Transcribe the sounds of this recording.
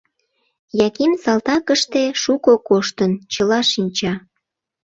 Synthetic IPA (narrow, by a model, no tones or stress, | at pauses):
jɑkimsɑlt̪ɑkəʃt̪eʃukokoʃt̪ənt͡ɕəlɑʃinʲt͡ɕɑ